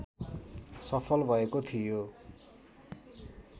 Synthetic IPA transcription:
sʌpʰʌlbʱʌekot̪ʰijo

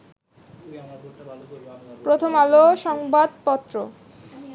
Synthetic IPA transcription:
pɾot̪ʰomaloʃɔŋbad̪̚pɔt̪ːɾo

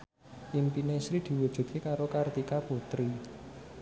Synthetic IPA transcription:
ʔimpinesɾid̪̥i̤wud̥ʒ̥ṳt̪̚kekaɾokart̪ikaput̪ɾi

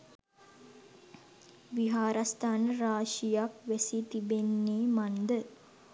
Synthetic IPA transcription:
ʋiɦaːɾast̪aːnəɾaːʃijakʋesit̪ibenːeːmand̪ə

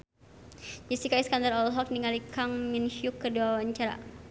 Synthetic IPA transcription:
d͡ʒisikaiskandaɾɔlɦɔk̚niŋalikaŋminʃjukːərduawaɲt͡ʃaɾa̰

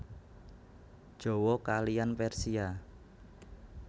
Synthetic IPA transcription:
d̥ʒ̥o̤wɔkalijanpɛrsia

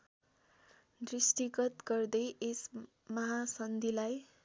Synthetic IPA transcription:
d̪risʈiɡʌt̪ɡʌrd̪ʌjʔes | mʌɦasʌnd̪ʱilaj

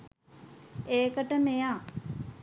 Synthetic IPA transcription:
eːkəʈəmejaː

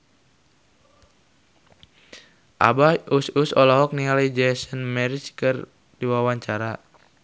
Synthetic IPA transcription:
ʔa̰baususɔlaɦɔk̚nialaid͡ʒɛsənmɛɾit͡ʃkɨr | diwawaɲt͡ʃaɾa

